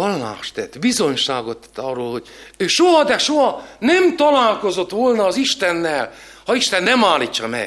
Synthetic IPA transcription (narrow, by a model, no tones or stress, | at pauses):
ɒlːa̰ːʃt̪ɛt̪ːbizo̞ɲʃaːɡot̪ːɛ̥t̪ːɒrːoːlho̞ɟ̥øːʃoɦɒd̪ɛʃoɦɒnɛmt̪ɒlaːlko̞zo̞t̪ʋolnɒːziʃt̪ɛnːɛl | hɒiʃt̪ɛnːɛmaːlit͡ʃːɒmɛ̰